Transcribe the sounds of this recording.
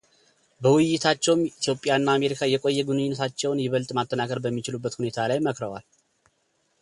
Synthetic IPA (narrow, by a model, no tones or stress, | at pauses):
bəwʊjːɪt̪ʰat͡ʃːɛwmit̪ʰjo̞pʼːjanːaːme̞ɾikʰajɛkʼo̞jːɛɡunɨɲːɪnːət̪ʰat͡ʃːɛwnjɪβəlt̪ʼmat̪ʼːənakʰəɾbəmːit͡ʃɪlubːət̪hune̞t̪ʰalajməkɾəwa̰l